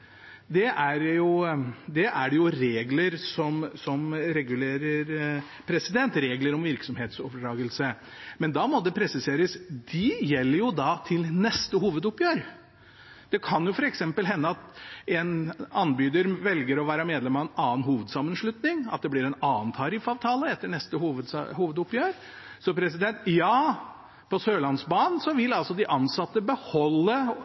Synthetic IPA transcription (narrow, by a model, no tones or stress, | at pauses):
d̪ɛʔæɾjʊd̪ɛʔæɖɛjʊɾeːɡləɾsɔmsɔmɾɛɡʉleːɾəɾ | pʰɾɛsɪd̪ɛnt̪ɾeːɡləɾɔmʋɪɾksɔmheːt̪sɔʋɖɾɑːɡəlsə | mɛnd̪ɑmɔd̪ɛpʰɾɛsɪseːɾəsd̪ɪjɛlːəɾjʊd̪ɑt̪ʰɪlnɛst̪əhuːʋəd̪ʊpːjøːɾ | d̪̥ɛkʰɑnjʊfɔɾɛksɛmpəlɦɛnːəɑt̪ɛnɑnbyːd̪əɾʋɛlɡəɾɔʋæːɾəmeːd̪lɛmɑɛnɑːnɦuːʋəd̪sɑmːənʂlʉt̪nɪŋɑ̰t̪̚d̪ɛblɪɾɛnɑːnt̪ʰɑɾɪfɑːʋt̪ʰɑːləɛt̪ːəɳɛst̪əhuːʋəd̪huːʋəd̪ʊpjøːɾ | sɔpʰɾɛs̬ɪd̪ɛnt̪jɑː | pʰɔsøːlɑnsbɑːnsɔʋɪlɑlsɔd̪ɪʔɑnsɑt̪ːəbəhɔlːə